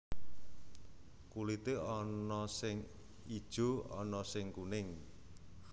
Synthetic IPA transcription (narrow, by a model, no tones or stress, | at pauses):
kulit̪eɔnɔsɪŋ | id̥ʒ̥o̤ɔnɔsɪŋkunɪŋ